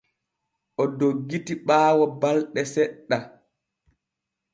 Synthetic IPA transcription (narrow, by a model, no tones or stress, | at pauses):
ʔɔdoɡːitiɓaːwɔbalɗɛsɛɗːa